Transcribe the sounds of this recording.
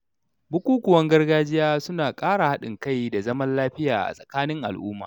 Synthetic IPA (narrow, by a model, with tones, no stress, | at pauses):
bʊ˦kʷuː˦kʷʊ˨wɐ˦ŋɡɐ˦rɡaː˦d͡ʒɪ˦jaː˦sʊ˦naː˨kʼaː˦ɽa˨ha˦ɗɪ˨ŋka˦˨jda˨zɐ˦mɐ˦nlaː˦ɸɪ˦ja̰ː˨ʔa̰˨sʼɐ̥˨kaː˦nɪ˦ŋʔa̰˨lʔʊ̰ː˦ma̰ː˨